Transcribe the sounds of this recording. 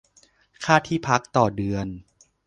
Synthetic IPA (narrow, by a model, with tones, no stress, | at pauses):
kʰaː˥˩t̪ʰiː˥˩pʰa˦˥k̚t̪ɔː˨˩dɯ˧ən